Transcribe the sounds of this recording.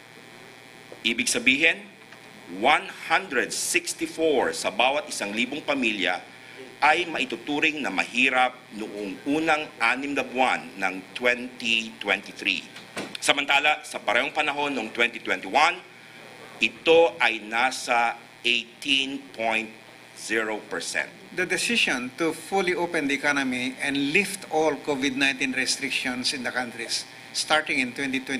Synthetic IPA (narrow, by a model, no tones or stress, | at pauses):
ʔiːbɪɡ̚sɐbiːɦɛn | wanhand̪ɾɛd̪sɪkst̪ifoɹsɐbaːwɐt̪̚ʔɪsaŋliːboŋpɐmiljɐ̰ | ʔɐjmɐʔɪt̪ʊt̪uːɾɪŋnɐmɐ̰hiːɾɐp̚nʊʔoŋʔuːnɐŋʔaːnɪmnɐbʊanːɐŋt̪wɛnt̪it̪wɛnt̪iθɾḭsɐmɐnt̪aːlɐsɐpɐɾɛːɦoŋpɐnɐɦo̞nːoŋt̪wɛ̃nt̪it̪wɛnt̪iwãn | ʔɪt̪oʔɐjnasɐ | ʔejt̪ĩnpʰõjnt̪̚ | z̥iɹopɛɹsɛ̰̃nt̪̚d̪ɐd̪ɛsɪʃɔ̃nt̪ufuliʔopɛ̃nd̪ɐɛkanomiʔɛ̃nd̪lift̪olkovɪd̪̚nãjnt̪ĩnɹɛst̪ɾɪkʃɔ̃nsɪ̃nd̪ɐkãnt̪ɾisː | t̪aɹt̪ɪ̃ŋɪ̃nt̪wɛ̃nt̪it̪wɛ̃